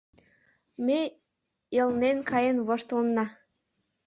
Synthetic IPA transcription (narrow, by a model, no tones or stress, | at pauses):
me | jəlnenkʰɑjenβoʃt̪əlnɑ